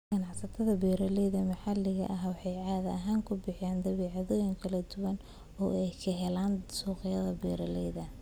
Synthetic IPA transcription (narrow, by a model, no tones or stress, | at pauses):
ɡ̥ɐnɑħsɐt̪ʰɐðɐbɛːɾɐlɛjðɐmɐħɑlːɪɣɐ̰ʔɐɦwɑħɑjʕɑːðɐʔɐɦaːŋkʰʊbɪħjaːnd̪ɐβɛːʕɑðɔjɐŋkʰɐlɐd̪ʊwɐn | ɔːɛjkʰɐɦɛlaːnsɔːqɪjɐðɐbɛːɾɐlɛjðɐ